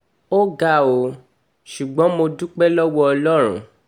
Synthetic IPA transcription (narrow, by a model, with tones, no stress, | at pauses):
o˦ɡa˦˨o˨˦ | ʃu˨ɡ͡bɔ̃˨˦mo˧dũ˦k͡pɛ˦lɔ˦wɔ˦ɔ˧lɔ˦ɾ̃ṵ̃˨